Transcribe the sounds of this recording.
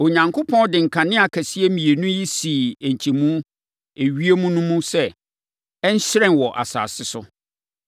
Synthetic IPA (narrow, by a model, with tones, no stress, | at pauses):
o˨ɲã˨ŋkʰo˦pʰɔ̃˦ndɪ̃˨ŋ̩˨kʰã˨nɪ̃˦a˨kʰæ˨si˦e˦mĩ˨e˨nũ˦ji˦si˨e˨ɲ˨t͡ɕʰi˨mũ˦ | e˨ɥi˦e˦mũ˦nũ˦mũ˦sɛ˦ | ɛ˦ɲ̩˦ɕɾɛ̃˦˨n˨wɔ˨ʔa̰˨sa̰ː˨sɪ˦sʊ˦